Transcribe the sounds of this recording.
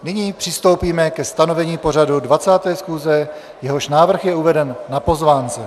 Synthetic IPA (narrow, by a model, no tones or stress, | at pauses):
nɪɲiːpr̝̥ɪst̪o̞wpiːmɛkɛst̪ano̞vɛɲiːpo̞r̝adudvat͡saːt̪ɛːsxuːzɛ | jɛɦo̞ʃnaːvr̩xjɛuvɛdɛnːapo̞zvaːnt͡sɛ